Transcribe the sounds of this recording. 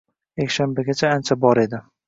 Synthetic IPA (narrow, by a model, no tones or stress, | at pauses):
jekʲʃanbaɡʲat͡ʃʰaant͡ʃʰabɒɾe̞d̪ɪ